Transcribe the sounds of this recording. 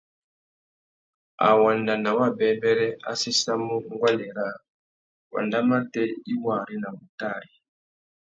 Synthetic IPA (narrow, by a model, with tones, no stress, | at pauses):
a̰˨wa˨nda˨na˨wa˦bɛ˨bɛ˦ɾɛ˦a̰˦si˦sa˦mu˦ŋɡwa˦lɛ˨ɾa˦˨ | wa̰˨nda˦ma˦tɛ˦i˦wa˨ɾi˦na˨βu˨ta˦˨ɾi˨